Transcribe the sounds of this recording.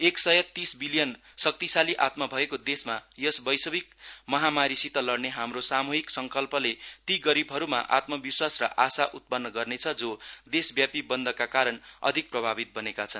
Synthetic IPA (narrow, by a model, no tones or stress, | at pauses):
eksʌjʌt̪isbilijʌn | sʌk̚t̪isaliʔat̪mʌbʱʌekod̪esmajʌsbʌjsʌbik̚mʌɦamaɾisit̪ʌlʌrneɦamrosamuɦiksʌŋkʌlpʌlet̪iɡʌɾibʱɦʌɾuma̰ʔa̰t̪mʌbiswasrʌ̰ʔasaʔut̪̚pʌnːʌɡʌrnet͡sʰʌd͡zod̪esbjapibʌnd̪ʱʌkakaɾʌnʌ̰d̪ʱik̚prʌbʱabit̪̚bʌnekat͡sʰʌn